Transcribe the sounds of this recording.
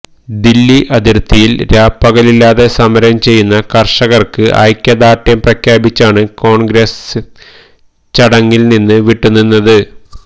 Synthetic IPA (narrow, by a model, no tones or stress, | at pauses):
d̪ilːiʔɐðirt̪ːijilɾaːpːɐɣɐlilːaːðe̞sɐmɐɾɐmt͡ɕe̞jːunːɐkɐrʂɐɣɐrkɨʔɐ̰jkʲjɐðaːʈjɐmprɐkʰjaːbit͡ɕːaːɳɨko̞ːɳɡɾes | t͡ɕɐɽɐŋːilninːɨʋiʈːunːunːɐðɨ